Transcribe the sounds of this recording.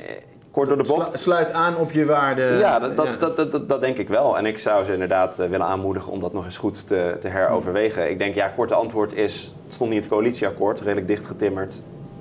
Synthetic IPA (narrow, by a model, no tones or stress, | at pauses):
kɔɹ̚tdʊːɹdəbɔtslœɥtaːnɔpjəʋaːɹdəjadddɑd̚dɛŋkɪkʋɛlˠɛ̰nɪksʌwzəɪndəɹdaːtʋɪlənaːnmudəχə̰nɔ̰mdɑtnɔχɪnsχutːətəɦɛɹo̰wvəɹʋejχəɪ̰ɡ̚dɛŋkjakɔɹtəɑntʋʊːɹtɪs | stɔntniətkowalitsiɑkʊːɹtrejdələɡ̚dɪχtχətɪməɹt